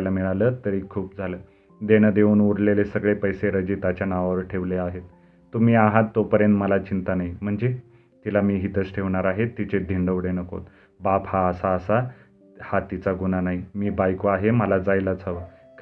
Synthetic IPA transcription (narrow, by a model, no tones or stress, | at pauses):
lamiɭaləːt̪əɾiːkʰuːp̚d͡zʱaləː | d̪enəd̪euːnuɾlelesəɡɭepəjseɾəd͡ʑiːt̪at͡ɕjanaʋaʋəɾʈʰeʋleaɦet̪ː | um̤iːaɦat̪ːopəɾjənt̪məlat͡ɕint̪anaim̤əɳd͡ze | t̪ilamiːɦit̪ət͡sʈʰeʋɳaɾaɦet̪ːit͡sed̪ʱiɳɖəʋɽenəko̰t̪ | baphaəsaəsa | hat̪it͡saɡunanaɦimiːbajkoaɦeməlad͡zajlat͡sʰəʋə | k